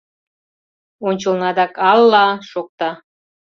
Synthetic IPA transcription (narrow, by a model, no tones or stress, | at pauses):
onʲt͡ɕɤ̆lnɑd̪ɑkɑlːɑʃok̚t̪ɑ